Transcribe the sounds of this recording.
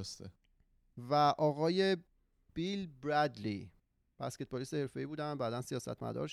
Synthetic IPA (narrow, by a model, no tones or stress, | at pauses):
st̪e | væʔɒːɣɒːje̞ | b̥ilbɾæd̪li | b̥æske̞t̪̚bɒliːsehe̞ɾfe̞iːbuːd̪ænbæːd̪ænsijɒːsæ̰t̪ʰmæ̰d̪ɒ̰ɾʃ